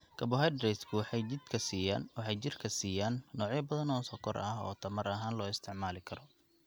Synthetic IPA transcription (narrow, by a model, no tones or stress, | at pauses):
kʰɐbɔɦɛd̪ɾɛjskʰʊwɑħɑjt͡ʃɪd̪kʰɐsiːja̰ːnwɑħɑjt͡ʃɪrkʰɐsiːjaːnːɔːʕjɐbɐðɐnɔːsɔːkʰɔrɐɦɔːt̪ʰɐmɐrɐɦaːnlɔːɪst̪ʰɪʕmaːlɪkʰɐɾɔ